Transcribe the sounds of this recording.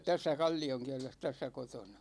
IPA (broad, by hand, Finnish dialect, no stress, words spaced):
tæsːæ kɑlʲːioŋkiɛles tæsːæ kotonɑ